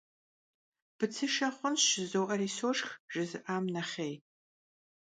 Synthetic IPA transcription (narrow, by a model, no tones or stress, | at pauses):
b̥ɨt͡sʰɨʃɐχʷʊnʃɪzowʔɐriːsoːʂxʒ̥ɨzɨʔaːmnɐχʲej